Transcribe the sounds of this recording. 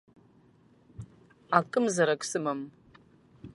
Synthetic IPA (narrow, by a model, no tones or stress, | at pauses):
akʼɨmzɐɾɐkʷʼsɨmɐm